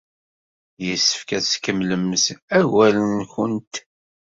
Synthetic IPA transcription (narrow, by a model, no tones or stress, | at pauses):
jəsːə̥fkæskəmləmsæwælənçənt̪